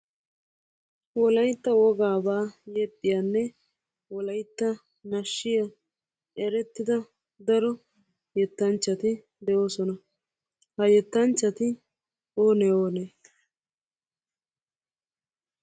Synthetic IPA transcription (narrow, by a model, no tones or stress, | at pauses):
wɔlɐjt̪ːɐwɔɡaːbaːjɛt̪ʼːɪjanːɛ | wɔlɐjt̪ːɐ | nɐʃːɪjɐ | ɛɾɛt̪ːɪd̪ɐ | d̪ɐɾɔ | jɛt̪ːɐnt͡ʃːɐt̪ɪ | d̪ɛʔo̞ːsɔnɐ | hɐjɛt̪ːɐnt͡ʃːɐt̪ɪ | oːnɛoːneː